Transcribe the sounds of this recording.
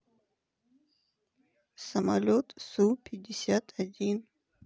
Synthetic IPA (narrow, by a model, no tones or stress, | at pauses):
samalot̪supʰid̪isjat̪ʰad̪in